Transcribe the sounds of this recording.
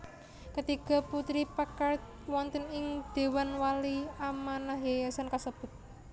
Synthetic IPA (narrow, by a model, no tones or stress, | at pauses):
kət̪iɡɔ̤put̪ɾipakart̪ | wɔnt̪ənɪŋd̪̥e̤wanwaliamanaɦjajasankasəb̥ʊ̤t̪̚